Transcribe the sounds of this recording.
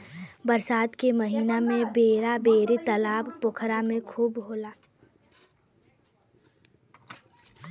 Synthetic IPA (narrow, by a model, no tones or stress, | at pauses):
bəɾsaːd̪keməɦiːnamẽbeːɾabeːɾet̪əlaːbpʊkʰɾamẽkʰuːbɦoːlaː